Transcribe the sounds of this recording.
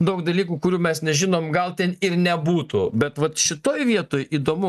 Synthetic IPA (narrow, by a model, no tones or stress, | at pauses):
d̪ɐʊkd̪ɐlʲiːkuːkʊɾʲuːmʲɛsnʲɛʒʲɪnoːmɡɐlˠt̪ʲɛnɪrnʲɛbuːt̪ṵbʲɛt̪ʋɐt̪ʃʲɪt̪oːjʋʲiɛt̪oːjʔiːd̪oːmʊ